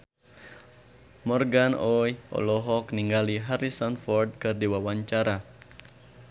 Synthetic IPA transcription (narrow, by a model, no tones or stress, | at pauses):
mɔrɡanɔjʔɔ̰lɔɦɔkniŋɡaliɦaɾisɔnfɔrd̚kɨrdiwawaɲt͡ʃaɾa